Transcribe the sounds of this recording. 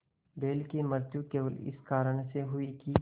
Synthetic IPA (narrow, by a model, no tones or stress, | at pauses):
beːlkiməɾt̪jukeːlɪ̰skaːɾəɽ̃seɦʊiki